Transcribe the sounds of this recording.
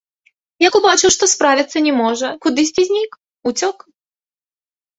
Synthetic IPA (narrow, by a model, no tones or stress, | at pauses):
jakubat͡ʂɨwʂt̪ɔspɾavʲit̪sːɐnʲɛmɔʐɐkud̪ɨsʲtʲizʲnʲik | ut͡sʲɔk